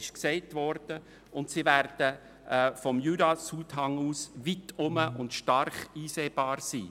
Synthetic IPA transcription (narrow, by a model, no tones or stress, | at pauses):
ɪʃksɛɪtʋɔɾd̥ə | ʊntsivæɾd̥ə | fɔmjyːdɑsuːtɦɑŋuːsʋitʊməʔʊntʃtɑrχiːseːb̥ɑːɾsḭː